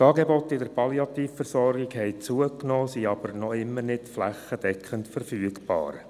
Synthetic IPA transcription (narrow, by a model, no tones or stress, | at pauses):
tɑːɡebɔt̪ːɪd̪əɾpʰɑliɑt̪iːfːəɾsɔrɡɪɡhɛɪt͡suəknoːsiɑb̥əɾnɔɪmːənɪtflæχːəd̥̪ɛkχəntfəɾfyəɡb̥ɑ̰ːɾ